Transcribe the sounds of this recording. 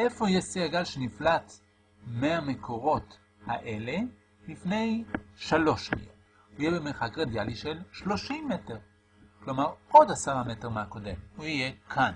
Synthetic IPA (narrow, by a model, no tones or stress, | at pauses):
ʔefo̞ijesiaɡalʃeniflat | meame̞kʰoʁo̞t | haʔe̞le̞ | lifne̞jʃalo̞ʃḭjḛ | huijebemeχakʁed̪jaliʃelʃlo̞ʃimːeteʁ | klo̞maʁo̞dasaʁameteʁmeako̞de̞̰muijekʰan